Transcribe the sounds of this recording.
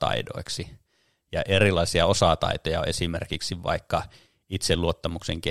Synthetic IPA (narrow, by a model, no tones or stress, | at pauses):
t̪ɑ̰ido̰iksi | jɑʔerilɑisiɑosɑt̪ɑ̰it̪ojɑesimḛrkiksiʋɑ̰ikːɑ | it̪selluot̪ːɑmukseŋke